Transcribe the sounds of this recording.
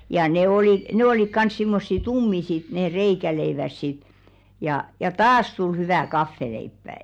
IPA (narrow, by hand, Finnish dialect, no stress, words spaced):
jɑ ne oli ne olik kɑns simːosːi tumːi sit neː reikæleiʋæs sit jɑˑ jɑ tɑːs tul hyʋæˑ kɑfːeleipːæˑ